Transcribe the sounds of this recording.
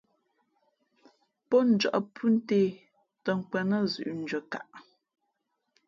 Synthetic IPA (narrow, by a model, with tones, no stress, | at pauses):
pɔ˦n̩˨˦d͡ʒɔ̰˨ʔpʰʉ˦n̩˦te˦ | tə˨ŋ̩˨kwɛ˨nə˦zʉ̰˨ʔn̩˨d͡ʒə˨ka˨ʔ